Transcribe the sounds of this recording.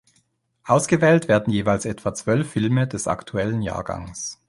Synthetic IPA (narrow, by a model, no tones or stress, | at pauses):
ʔaʊsɡ̥əvɛːltv̥eːɐdn̩jeːvaɪlsɛtv̥at͡sv̥œlfːɪlmədɛsa̰ktʰuɛlənja̰ːɐɡa̰ŋs